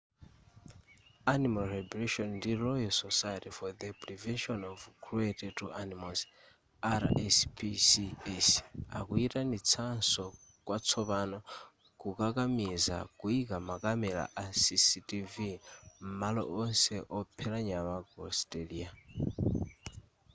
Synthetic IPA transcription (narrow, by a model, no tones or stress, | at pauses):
animalɾɛbluʃɔnndilɔjɔsɔsajetifɔd̪əpɾivɛnʃɔnɔvkʰɾuetɛtʰuʔanimɔs | aɾ̰ɛspʰisiɛsa̰kuitanit͡sʰansɔ | kwat͡sʰɔβanɔ | kukakamiza̰kuikamakamɛla̰ʔasisitivim̩malɔ̰ʔɔnsɛʔɔpʰɛlaɲamaɡɔ̰stʼelia